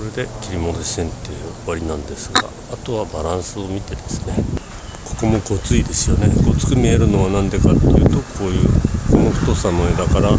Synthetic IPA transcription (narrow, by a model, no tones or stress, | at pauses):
oɾe̞d̪e̞kʲiɾʲimo̞d̪oɕẽnt̪ːe̞jɯβaɾʲinãnd̪e̞sɨɡa̰ːt̪o̞βabaɾãɰ̃sɨo̞mʲit̪e̞d̪e̞sɨ̥ne̞ | ko̞̥ko̞mo̞ɡo̞t͡sɨid̪e̞sɨjo̞ne̞ɡo̞t͡sɨ̥kɯ̟mʲie̞ɾɯ̟no̞βanãnd̪e̞kat̪ːojɯ̟ːt̪o̞kʰo̞ːjɯ̟ːko̞noɸɯ̟̥t̪o̞sano̞e̞d̪akaɾa